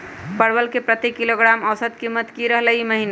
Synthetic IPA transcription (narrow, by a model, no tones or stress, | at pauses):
pəɾbəlkepɾət̪ekːiloɡɾaməwsət̪kimət̪kiɾəɦləiməɦina